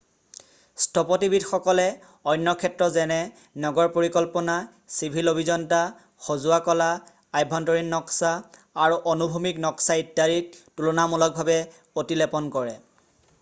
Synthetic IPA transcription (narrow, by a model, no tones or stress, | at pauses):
stʰɔpɔtibidxɔkɔlɛ | ɔjnːɔkʰɛtɹɔzɛnɛ | nɔɡɔɹpoɹikɔlpɔna | sibʱilobʱizɔnta | xozʊakɔla | ajbʱɔntɔɹinːɔksaː | ɹuʔɔnubʱumiknɔksaidaɹit̚tulɔnamulɔk̚bʱabɛ | otilɛpɔnkɔɹɛ